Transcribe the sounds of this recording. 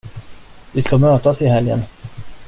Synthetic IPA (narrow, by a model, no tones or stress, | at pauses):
vɪskamøːt̪asɪɦɛljə̰n